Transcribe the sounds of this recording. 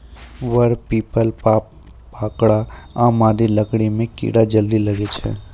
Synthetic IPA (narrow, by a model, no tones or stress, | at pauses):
ʋəɾpiːpəlpa | paːkɽaaːmaːd̪iləkɽ̃imẽkḭːɽad͡ʒəld̪ilɐɡet͡ʃʰɛ̰ː